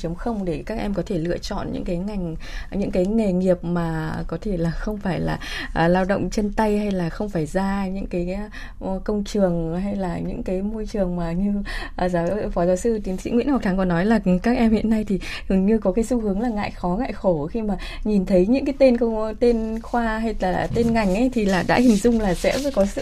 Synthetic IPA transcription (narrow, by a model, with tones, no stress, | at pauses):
t͡ɕə˨˦ŋ͡mxə˧wŋ͡mɗe˧˩kaː˦˥k̚ʔɛ˧mkɔ˨˦t̪ʰe˧˩lɨ̰˧˨ət͡ɕɔ̰˧˨nɲɨ̰˧˥ŋkaː˨˦jŋa˨˩jŋ̟ɲɨ̰˧˥ŋkaː˨˦jŋe˨˩ŋi˨˩əp̚maː˨˩kɔ˨˦t̪ʰe˧˩laː˨˩xə˧wŋ͡mfaː˧˩jla̰ː˨˩ʔlaː˧wɗə̰˧˨wŋ͡mt͡ɕe˧nt̪a˧jha˧jlaː˨˩xə˧wŋ͡mfaː˧˩jzaː˧ɲɨ̰˧˥ŋkaː˨˦j | kə˧wŋ͡mt͡ɕɨ˨˩əŋɦa˧jlaː˨˩ɲɨ̰˧˥ŋkaː˨˦jmo˧jt͡ɕɨ˨˩əŋmaː˨˩ɲɨ˧ʔə˨˩zaː˨˦wfɔ˨˦zaː˨˦wsɨ˧t͡ɕi˨˦ŋsḭ˧˥ŋwḭ˧˥nha˨˩t̪ʰa˨˦ŋkɔ˨˦nɔ˨˦jlaː˨˩˨kaː˦˥k̚ʔɛ˧mhḭ˧˨ənːa˧jt̪ʰi˨˩zɨ˨˩ŋɲɨ˧kɔ˨˦kaː˨˦jsu˧hɨ˨˦əŋlaː˨˩ŋa̰ː˧˨jxɔ˨˦ŋa̰ː˧˨jxo˧˩xi˧maː˨˩ɲi˨˩nt̪ʰə˨˦jɲɨ̰˧˥ŋkaː˨˦jt̪e˧nkə˧t̪e˧nxwaː˧ɦa˧jlaː˨˩t̪e˧nŋa˨˩jŋ̟ʔə˨˦jt̪ʰi˨˩laː˨˩ɗa̰ː˧˥hï˨˩ŋ̟zʊ˧ŋ͡mlaː˨˩sɛ̰˧˥˧kɔ˨˦sɨ̰˧˨